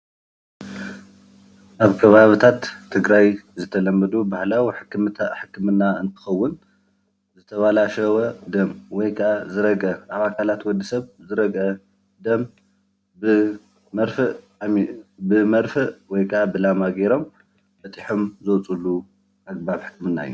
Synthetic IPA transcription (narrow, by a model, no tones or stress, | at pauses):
ʔaβkʰɐβaβɨt̪ʰat̪ʰːɨɡɾajzɨt̪ʰɐlɐmːɐd̪ubahlawħɨħɨkːɨmɨnːaɨnt̪ʰɨ̥xɐwːʊn | zɨt̪ʰɐβalaʃɐwɐd̪ɐmwɔjkʰɐʔazɨɾɐɡɐʔaβakʰalat̪wɔd̪ːisɐβzɨɾɐɡʔɐ | d̪ɐm | mɐɾfɨʔ | mibɨmɐɾfɨʔwɔjkʰɨʔabɨlamaɡeɾo̞m | bɐt̪ʼiħomzɐwt͡sʼulːu | ʔaɡ̚baβħɨ̥kmɨnːa̰ɨ̰jːu